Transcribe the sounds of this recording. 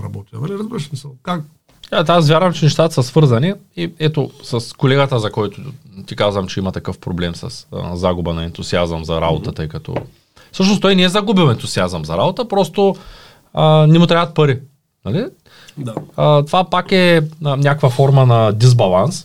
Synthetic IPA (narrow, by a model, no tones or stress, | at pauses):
ɾɐ̰bɔt̪id̪aliɾɐzbiɾɐʃmisɐlkak | at̪asvʲjaɾvɐmt͡ʃɛnɛʃt̪at̪əsɐsvɤɾzɐni | iɛt̪osɐskolɛɡət̪əzɐkɔjt̪ʊt̪ikazvɐmt͡ʃɛimɐt̪ɐkɤfpɾoblɛmsɐ̰sə̰zaɡubənɐɛnt̪ʊsiazɐmzɐɾa̰bot̪ət̪ɤjkɐt̪ʰɔ̰ | fsɤʃ̬nost̪ɔjnɛɛzɐɡubilˠɛnt̪uziazəmzɐɾabot̪əpɾɔst̪o | ənɛmʊt̪ɾʲavɐət̪̚pɐɾi | nɐli | aət̪ovapakɛnʲakvɐfɔɾmɐnɐd̪izbɐlˠans